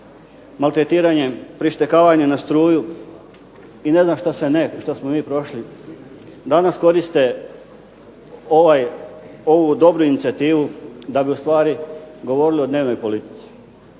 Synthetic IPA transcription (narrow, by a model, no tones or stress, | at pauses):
malt̪ɾe̞t̪iːɾaɲe̞pɾiʃt̪e̞kaːʋaɲenast̪ɾuːju | ine̞znaːmʃt̪aseneʃt̪asmomiːpɾo̞ʃli | d̪anasko̞ɾist̪e | oʋajo̞ʋud̪o̞bɾuinit̪sʲiat̪iːʋud̪abiust̪ʋaːɾiɡo̞ʋo̞ɾilio̞d̪ne̞ːʋno̞jpo̞lit̪i̥t̪si̥